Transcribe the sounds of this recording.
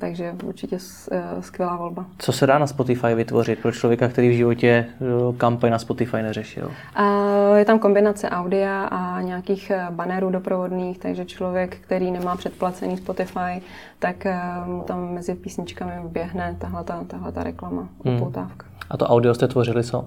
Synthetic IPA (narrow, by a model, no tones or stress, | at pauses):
t̪aɡʒɛṵɾt͡ʃɪcɛ | skvjɛlaːvo̞lbat͡sosɛdaːnaspot̪ɪfajvɪt̪voɾɪt̪̚pɾot͡ʃlovjɛkak̚t̪ɛɾiːvʒɪvo̞cɛkampaɲnaspot̪ɪfajnɛrɛʃɪ̰l | jɛt̪amko̞mbɪnat͡sɛʔawdɪaʔaɲɛakiːxbanɛɾuːdo̞pɾovo̞dniːxt̪aɡʒɛt͡ʃlo̞vjɛkːt̪ɛɾiːnɛmaːpr̥ɛt̪̚plat͡sɛniːspot̪ɪfaj | t̪akmut̪amːɛzɪpiːsɲɪt͡ʃkamɪbjɛɦnɛt̪aɦlɛt̪at̪aɦlɛt̪a̰ɾɛklamaʔupowt̪aːfkḁʔat̪oʔawdɪost̪ɛt̪vorɪlɪt͡so